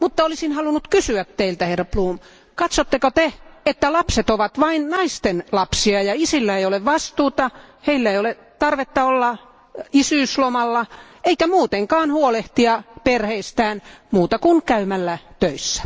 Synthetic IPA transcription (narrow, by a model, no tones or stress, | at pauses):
mut̪ːɑolisinhɑlunut̪kysyæt̪teilt̪æherːɑpluːm | kɑt̪sot̪ːekot̪eet̪ːælɑpset̪oʋɑt̪ʋɑinnɑist̪enlɑpsiɑjɑisilːæeioleʋʋɑst̪uːt̪ɑheilːæeijole | t̪ɑrʋet̪ːɑolːɑ | isyːslomɑlːɑ | eikæmuːt̪eŋkɑːnhuoleht̪iɑperheist̪æːnmuːt̪ɑkunkæymælːæt̪øisːæ̥